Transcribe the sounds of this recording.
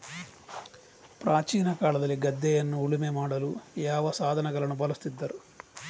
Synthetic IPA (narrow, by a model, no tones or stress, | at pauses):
pɾaːt͡ʃiːnɐkaːlɐd̪ɐliɡɐd̪ːɛjɐnːuːɭimemaːɽɐlujɛːʋɐsaːd̪ʱɐnɐɡɐlɐnubɐlɐst̪id̪ːɐɾu